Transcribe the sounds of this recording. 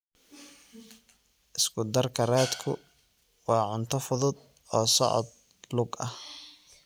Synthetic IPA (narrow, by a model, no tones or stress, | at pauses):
ʔɪskʰʊd̪ɐrkʰɐrɛːd̪kʰʊ̰ | wɑːʕʊnt̪ʰɔfʊðʊd̪ | ɔːsɔ̰ʕɔ̰d̪̚ | lʊɡɐ